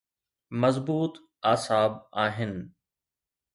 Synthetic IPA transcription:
mɐzbuːt̪ | aːsaːbaːɦɪnɪ̆

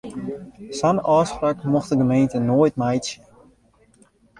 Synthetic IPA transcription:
sanɔːsprakmɔxtəɡəmejntənoːjtmajtsə

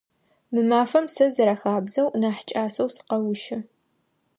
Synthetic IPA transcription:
mɨmaːfɐmsɐzɐɾɐxaːbzɐwnaːħt͡ʃʼaːsɐwsɨ̥qɐwʊʃɪ

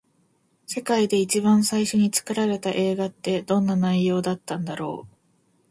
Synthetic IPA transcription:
se̞kaid̪e̞it͡ɕibãɰ̃saiɕo̞ɲ̟it͡sɨ̥kɯ̟ɾaɾe̞t̪aʔe̞ːɡat̪ːe̞d̪̥õ̞nːanaijo̞ːd̪at̪ːãnd̪aɾo̞̰ː

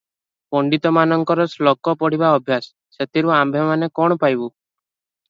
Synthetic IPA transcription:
pɔɳɖit̪ɔmanɔŋkɔɾɔslɔkɔpɔɽ̤iβaɔbʱjasːet̪ʰiɾuambʱɔmanekɔɽ̃ɔpajbu

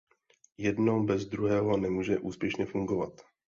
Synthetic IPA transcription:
jɛdno̞wbɛzd̪ɾuɦɛːɦo̞nɛmuːʒɛʔuːspjɛʃɲɛfuŋɡo̞vat̪

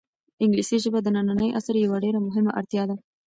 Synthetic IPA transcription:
ɪŋɡlisiʒəbad̪ənananəjʔa̰saɾjawaɖeɾamʊɦɪmaʔaɽt̪jɑd̪a

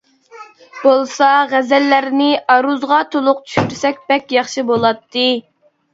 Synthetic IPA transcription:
b̥olˠsɑʁæzɛlːæɾnɪɑɾuzʁɑt̪ʰolˠʊq̚t͡ʃʰy̥ʃyɾsɛkʲbɛkʲjɑχʃibolˠɑt̪ʰːɨ

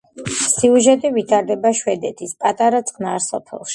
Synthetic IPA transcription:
siuʒɛt̪ʼivit̪ʰaɾd̪ɛbaʃwɛd̪ɛt̪ʰispʼat̪ʼaɾat̪sʼqʼnaɾsɔ̰pʰɛ̰lˠʃi̥

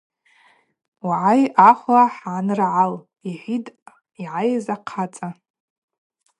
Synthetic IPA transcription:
waʕajaχʷaħaʕanɨrʕal | iħʷidʼ | iʕajzaqʰat͡sʼa

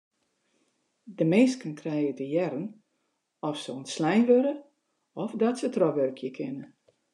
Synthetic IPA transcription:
dəmeːskənkʰrɛjədəjɛɾən | ɔfsoənslɛjnʋøɾə | ɔfdɔtsətrɔʋørkʰjəkʰɪnə

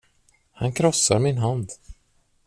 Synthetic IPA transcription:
hankʰɾɔsːaɾmɪnɦand̪

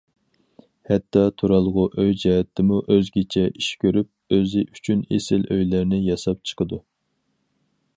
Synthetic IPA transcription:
hɛt̪ʰːɑt̪ʰuɾɑlˠʁʊʔøjd͡ʒɛɦɛt̪ʰːɪmuʔøzɡʲet͡ʃʰɛʔiʃkʲʰøɾyp̚øzɪʔyt͡ʃʰynḛsɪlʔøjlæɾnɪjɑsɑp̚t͡ʃʰə̥qʰəd̪u

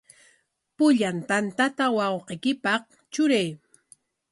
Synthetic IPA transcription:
pʊʎant̪ant̪at̪awɑwqekɪpɑh | t͡ʃʊɾaj

